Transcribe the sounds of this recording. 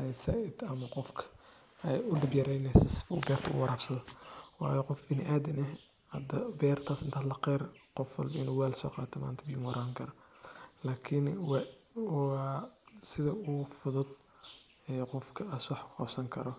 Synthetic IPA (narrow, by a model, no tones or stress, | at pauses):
ɛsɐʔɪd̪ɐmɐqɔfkʰɐ̥ | ɛjʊɖɪbjɐɾɛjnɛsɪsɪ̥fʊ̰bɛːrt̪ʰɐʊ̰wɑɾaːbsɐðɔwɑ̰ːjɔqɔfbɪnɪʔaːd̪ɪnɛ | hɐd̪ɐbɛːrt̪ʰaːsɪnt̪ʰaːlɐqɛrqɔfwɑ̰lbɐɪnuːwaːlsɔ̰ːqɑːt̪ʰɐma̰ːnt̪ʰɐbiːmɔɾaːŋkʰɐɾɐlaːkʰɪnw | wɑsɪðɐʊfʊðʊd̪ | ɛːqɔfkʰɐaswɑħkʰʊ̥qɑ̰bsɐŋkʰɐɾɔ